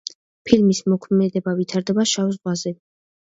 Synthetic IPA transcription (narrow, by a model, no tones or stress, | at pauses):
pʰilmismɔkʰmɛd̪ɛbavit̪ʰaɾd̪ɛbaʃawzʁwazɛ